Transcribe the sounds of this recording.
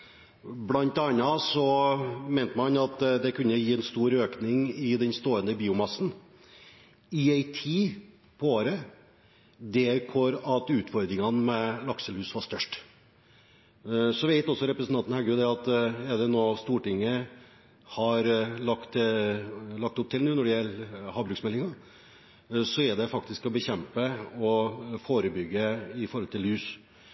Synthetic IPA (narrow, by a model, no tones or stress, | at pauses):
blɑnt̪ɑnːɑsɔmɛɪnt̪əmɑnɑt̪d̪ɛkʉnːəjiːɛnst̪uːɾøːknɪŋɪd̪ɛnst̪oːənd̪əbiːʊmɑsn̩ | ɪæɪt̪ʰiː | pʰɔoːɾə | d̪ɛkʰɔɾɑt̪ʉːt̪fɔɾd̪ɾɪŋɑnmɛlɑksəlhʉːsʋɑʂt̪œʂʈ | sɔʋɪɛɪt̪ɔsːɔɾɛpɾəsnʰɑnn̩hæɾɡʉːd̪ɛɑt̪ɛd̪ɛnoːst̪uːʈɪŋːə | hɑɾlɑkt̪ | lɑk̚t̪ʊp̚t̪ʰɪlnuːnɔɖɛjɛlːhɑːbɾʉksmɛlːɪŋɑ | sɔɛd̪ɛfɑkt̪ɪskɔbəçɛmpəɔfoːɾəbʏɡːəɪfɔɾɔlt̪ʰɪlʉːs